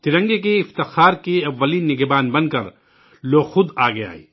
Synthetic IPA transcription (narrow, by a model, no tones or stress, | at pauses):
t̪ɪɾɐ̃ŋɡek̬eɪft̪ɪxaːɾkeɐʋːəliːnːɪɡbaːnbɐ̃nkɐɾ | loːxʊd̪aːɡea̰ːḭː